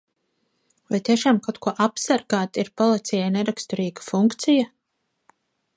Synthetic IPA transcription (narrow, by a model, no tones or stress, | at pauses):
vajt̪iɛʃaːmkawt̪̚kuɔʔapsaɾɡaːt̪aiɾpɔlˠit̪sɛjajnɛɾakst̪ɔɾiːɡḁfuŋkt̪sija